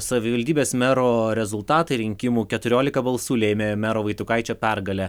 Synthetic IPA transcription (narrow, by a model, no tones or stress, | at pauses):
sɐʋʲɪʋɐlʲd̪ʲiːbʲeːsmʲæɾoːɾʲɛzʊlˠt̪ɑːt̪ɐɪɾʲɪŋʲkʲɪmuːkʲɛt̪ʊɾʲoːlʲɪkɐbɐlˠsuːlʲɛːmʲeːmʲæːɾoːʋɐɪt̪ʊkɐɪt͡ʃʲopʲɛɾɡɐlʲɛ